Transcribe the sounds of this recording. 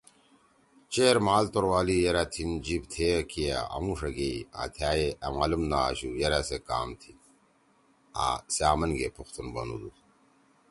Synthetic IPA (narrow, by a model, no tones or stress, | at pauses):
t͡ɕeːɾmaːlt̪oɾwaːlijeɾat̪ʰind͡ʑibt̪ʰekija̰ɐ̰mũʂɐɡeia̰ːt̪ʰjaːeɐmaːlumna̰ɕujeɾaseka̰ːmt̪ʰi | a̰saːmɐnɡepʰuxt̪unbɐ̰nṵd̪u